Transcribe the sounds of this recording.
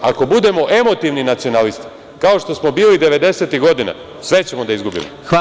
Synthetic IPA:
ako̞bud̪e̞mo̞ʔe̞mo̞t̪iʋninat̪sio̞nalist̪i̥ | kao̞ʃt̪o̞smo̞biːlid̪e̞ʋe̞d̪e̞set̪iɣɡo̞d̪ina̰ | sʋe̞t͡ɕe̞mo̞d̪aizɡubḭmo

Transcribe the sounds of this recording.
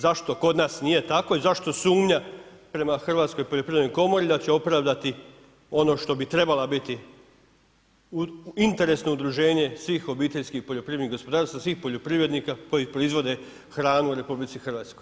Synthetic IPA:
zaʃt̪o̞ko̞d̪naːsnije̞t̪ako̞izaʃt̪o̞suːmɲa | pɾe̞maxr̩ʋaːt̪sko̞jpoʎopɾiednojko̞mo̞ɾid̪at͡ɕeo̞pɾaʋd̪at̪i | o̞no̞ʃt̪o̞bit̪ɾe̞balabit̪i | int̪e̞ɾe̞sno̞ud̪ɾuʒe̞ːɲe̞sʋiːxo̞biːt̪eʎskixpo̞ʎo̞pɾiʋed̪niɡo̞spo̞d̪aːɾst̪ʋasʋiːxpo̞ʎo̞pɾiʋɾe̞d̪nikako̞jipɾo̞izʋo̞d̪e̞ | xɾaːnuuɾe̞publit̪sixərʋaːt̪skoj

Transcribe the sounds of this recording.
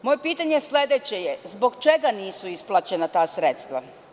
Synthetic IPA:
mo̞jepiːt̪aɲeslʲed̪et͡ɕe̞jezbo̞ɡt͡ʃe̞ɡaniːsuisplˠat͡ɕe̞nat̪aːsɾet̪st̪ʋa

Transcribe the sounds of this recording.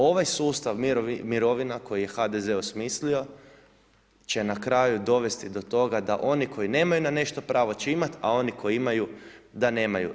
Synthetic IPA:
o̞ʋajsuːst̪aʋmiɾo̞ʋinako̞jije̞xad̪ezeosmislio̞ | t͡ɕe̞nakɾaːjud̪o̞ʋe̞st̪id̪o̞t̪o̞ɡad̪aʔo̞nikʰo̞jine̞ːmajunane̞ʃt̪o̞pɾaːʋo̞t͡ɕeimat̪ao̞niko̞iimajud̪ane̞ːmajṵ

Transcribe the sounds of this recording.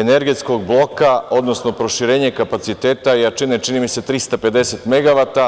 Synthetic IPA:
ene̞ɾɡet̪sko̞ɡblˠo̞kao̞d̪no̞sno̞pɾo̞ʃiɾeːɲekapat̪sit̪eːt̪ajat͡ʃinet͡ʃinimise̞t̪ɾist̪ape̞d̪e̞set̪me̞ɡaʋat̪a

